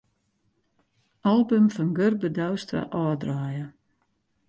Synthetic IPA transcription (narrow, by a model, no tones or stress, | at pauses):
alˠbəmfɔnɡørbədawstra̰ʔɔːdraːjə